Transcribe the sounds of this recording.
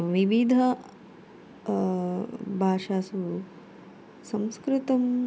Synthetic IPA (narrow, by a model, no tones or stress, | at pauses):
ʋiʋid̪ʱɐ | bʱaːʃaːsu | sɐ̃mskɾɪt̪ɐm